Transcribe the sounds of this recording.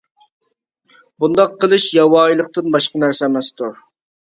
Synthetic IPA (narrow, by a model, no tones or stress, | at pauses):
bund̪ɑqʰːəlˠɨʃjɑwɑːjilˠəq̚t̪ɨnbɑʃqɑnæɾsɛɛmɛst̪ʰuɾ